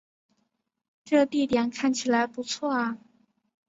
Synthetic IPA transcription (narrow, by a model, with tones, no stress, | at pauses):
ʈ͡ʂɤ˥˧t̪i˥˩t̪jɛ˨˩nkʰa˥˩nt͡ɕʰi˨˩la˧˥ɪpu˧˥t͡sʰwɔ˥˩ɐ˩